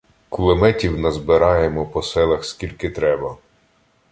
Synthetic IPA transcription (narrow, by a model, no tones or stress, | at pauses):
kʊlˠemɛtʲiwnɐzbɪɾɑjemɔpɔsɛlˠɐxskʲilʲkɪt̪ɾɛbɐ